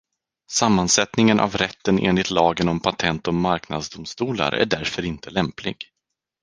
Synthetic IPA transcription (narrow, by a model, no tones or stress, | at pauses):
samːansɛt̪nɪŋənʔa̰vɾɛt̪ːənḛːnlɪt̪lɑːɡənɔmpʰat̪ʰɛnt̪ɔmmːaɾkna̰d̪sd̪ʊmst̪uːla̰ɾʔæ̰ɖæɾfœɾɪnt̪əlɛmplɪ̰ɡ